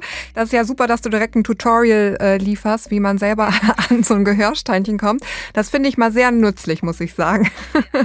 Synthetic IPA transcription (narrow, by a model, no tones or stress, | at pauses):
d̥asɪstjaːzuːpɐɾasd̥uːdiʁɛk̚tn̩tʰutʰɔʁiəlʔɛːliːfɐstv̥iːmanzɛlbɐʔanzoːnɡəɦøːɐʃtaɪnçənkʰɔmtd̥asfɪndəɪçmaːlzeːɐnʏt͡slɪçmʊsɪçz̥aːɡŋ̩